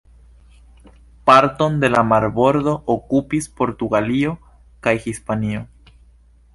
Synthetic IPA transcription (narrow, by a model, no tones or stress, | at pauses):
paɾt̪ond̪e̞lamaɾβoɾðo̞ʔokupispo̞ɾt̪uɣalio̞ | kajxispanio